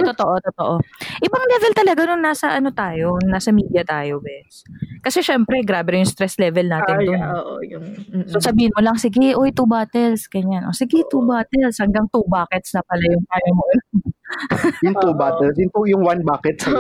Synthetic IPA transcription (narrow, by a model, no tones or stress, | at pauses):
t̪ot̪oʔot̪ot̪oʔoʔɪbɐŋlɛvɛlt̪ɐlɐɡanonnːaːsɐʔɐno̞t̪aːjo̞naːsɐmiːd̪jɐt̪aːjo̞bɛskɐsɛʃɛmpɾɛɡɾaːbɛjʊŋst̪ɾɛslɛvɛlnaːt̪ɪndʊnːʔjʊsosɐbiːhɪnmolɐŋsɪɡɪʔojt̪ubaːt̪ɛlsɡ̥ɐɲanʔosɪɡɪt̪ubaːt̪ɛlshɐŋɡaŋt̪ubaːkɛt̪snɐpɐlɐjʊŋt̪aːjɐmoɐnɐ | jʊŋt̪ubaːt̪ɛlsjʊŋt̪ujʊŋwanbaːkɛt̪